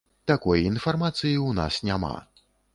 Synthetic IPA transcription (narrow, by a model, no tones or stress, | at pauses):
t̪akɔjinfarmat̪sɨjiwna̰snʲama̰